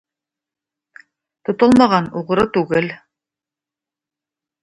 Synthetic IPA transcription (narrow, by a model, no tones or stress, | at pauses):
t̪ŏt̪olˠmɑʁɑnuʁɤ̆ɾɤt̪ʉɡɘl